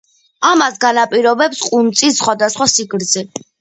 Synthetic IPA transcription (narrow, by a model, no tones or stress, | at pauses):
amasɡanapʼiɾɔbɛpsqʼunt̪sʼisːχwad̪asχwasiɡɾzɛ